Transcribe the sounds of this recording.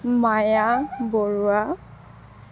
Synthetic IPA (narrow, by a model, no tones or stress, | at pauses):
majaboɹua